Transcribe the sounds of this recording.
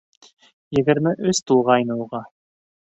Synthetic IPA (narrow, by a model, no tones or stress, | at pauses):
jɘ̆ɡɘ̆ɾmɘʔɵst̪ulˠʁɑjnɤ̆uʁɑ